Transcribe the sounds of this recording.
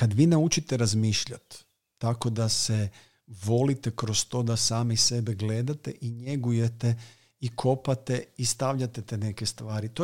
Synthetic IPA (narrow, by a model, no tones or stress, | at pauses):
kad̪ʋiːnaut͡ʃit̪eɾazmiːʃʎa̰t̪ː | ako̞d̪ase | ʋo̞lit̪e̞kɾo̞st̪o̞ːd̪asaːmese̞beɡle̞d̪at̪e̞ʔiɲeɡuje̞t̪e̞ | ikʰo̞pat̪e̞ist̪aʋʎat̪et̪ene̞ke̞st̪ʋaːɾit̪o